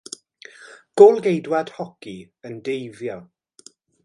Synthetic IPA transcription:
ɡ̥ʊlˠɡejdwad̥hɔki | əndejvjɔ

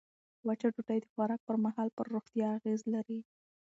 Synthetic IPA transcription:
wat͡ʃaʈuʈajd̪əxwaɾɑk̚pəɾmaɦɑlpəɾːoxt̪jɑːɣezlaɾi

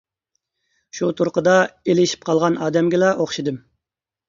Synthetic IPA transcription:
ʃut̪ʰuɾqəd̪ɑelɪʃi̥p̚qʰɑlˠʁɑnɑːd̪ɛmɡʲɪlɑʔoχʃid̪ɨm

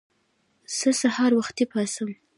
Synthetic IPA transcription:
z̥əsahɑɾwaxt̪ipʰɑsəm

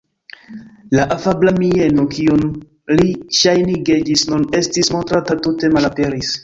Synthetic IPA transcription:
laʔafablamie̞no̞kiun | liʃajniɡed͡ʒisnune̞stismo̞ntɾatatute̞malape̞ɾis

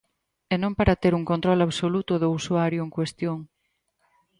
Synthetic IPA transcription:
enõmpaɾat̪eɾuŋkont̪ɾolaβsolut̪oðousuaɾjoeŋkwest̪joŋ

